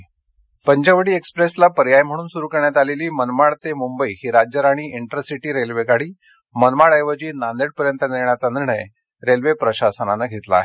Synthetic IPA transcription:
pəɲd͡ʑəʋəɽiːekspɾeslapəɾjajm̤əɽ̃uːnsuɾuːkəɾɳjat̪aleliːmənmaɽt̪emumbəihiɾad͡ʑəɾaɽ̃iʔiɳʈəɾsiʈiːɾelʋekaɽ̤iː | mənmaɭajʋəd͡ʑiːnand̪eʈ̚pəɾjənt̪əniɾɳjat͡saniɾɳəj | ɾelʋepɾəɕasənanaɡʱet̪la̰ːɦe

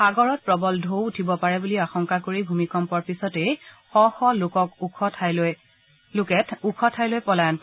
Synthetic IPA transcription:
xaɡɔɹɔt̚pɹɔbɔldʱowutʰibɔpaɹɛbuliaxɔŋkakoɹibʱumikɔmpɔɹpisɔtɛ | xɔxɔlokɔkʰtʰ | lʊkɛtʰukʰɔtʰajlojpɔlajn

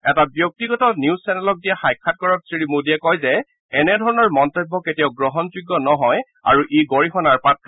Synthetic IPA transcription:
ɛtabjɔk̚tiɡɔtɔniuzsɛnɛlɔk̚dijaxajkʰːat̚kɔɹɔp̚sɹiɹimodijɛkɔjzɛ | ɛnɛdʱɔɹɔnɔɹmɔntɔbːɔketijaʊɡɹɔɦɔnzuɡːɔnɔɦɔj | a̰ɹuʔeɡɔɹixɔnaɹpatː

